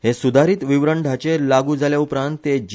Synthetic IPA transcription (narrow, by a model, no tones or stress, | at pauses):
hesud̪ʱaɾiːt̪ʋiʋɾəɳɖʱat͡ɕelaɡuːd͡zaljaupɾãnt̪ːed͡ʑ